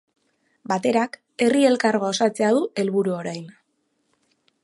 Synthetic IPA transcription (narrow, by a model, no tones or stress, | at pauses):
bat̪e̞ɾak | e̞rie̞lkaɾɣoosat͡se̞að̞ue̞lβuɾuo̞ɾajn